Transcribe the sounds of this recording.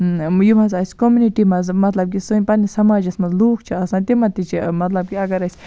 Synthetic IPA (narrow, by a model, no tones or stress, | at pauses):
jumɐzaːsʲkomjuniʈimɐzmɐt̪lɐbk̬isɨnʲpɐnisɐmaːd͡ʒɐsmɐnzloːkt͡ʃʰiɐsãːnt̪imɐt̪ːit͡ʃʰimɐt̪lɐb̚kʲiɐɡɐɾɐsʲ